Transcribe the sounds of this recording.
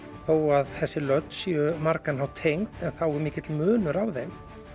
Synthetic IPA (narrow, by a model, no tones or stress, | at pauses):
θoːwaðθɛsːɪlœt̪sjœmaɾkanɦawt̪ʰejŋkt̪ɛnθawɪmɪːcɪt̪lmʏːnʏɾawðejm